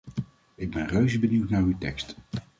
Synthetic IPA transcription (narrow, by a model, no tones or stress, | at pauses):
ɪɡ̚bɛnrøɥzəbəniwtnaːɹywtɛ̰kst